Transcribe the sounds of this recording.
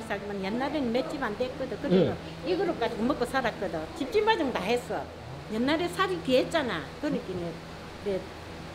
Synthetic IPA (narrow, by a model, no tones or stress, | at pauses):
saɡimanjanːaɾenmet͡ɕiband̪ek͈ːɯd̪ɯkɯɾɯɯ | iɡɯɾɯp̚k͈ad͡ʑɯŋɯmɯkːɯsʰaɾak͈ːɯd̪ɯt͡ɕip̚timbad͡ʑɯŋd̪aɦesɯ | jenːaɾesaɾiket̚t͡ɕ͈anakɯnɯkinɯ | de